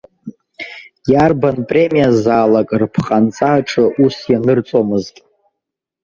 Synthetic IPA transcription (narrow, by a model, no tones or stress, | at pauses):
jarbanpʼre̞mijazaːlakʼrpʰqʼant͡sʼaʈ͡ʂʰʼɨʔusjanɨrt͡sʼomɨztʼ